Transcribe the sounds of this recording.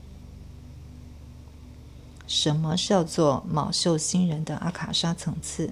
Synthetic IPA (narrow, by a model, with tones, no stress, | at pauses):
ʂə˧˥nmə˧ʂɻ̩˥˧jɑ˥˧ʊt͡swɔ˥˩mɑ̰˨˩ʊɕo˥˩ʊɕi˥ŋɻə˧˥nd̪ə˧ʔa˥kʰa˨˩ʂa˥t͡sʰɤ˧˥ŋt͡sʰɹ̩˥˩